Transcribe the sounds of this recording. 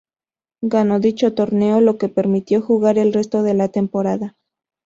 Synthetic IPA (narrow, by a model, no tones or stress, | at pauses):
ɡano̞ðit͡ʃo̞t̪o̞ɾne̞o̞lo̞ke̞pe̞ɾmit̪jo̞xuɣaɾe̞lre̞st̪o̞ðe̞lat̪e̞mpo̞ɾaða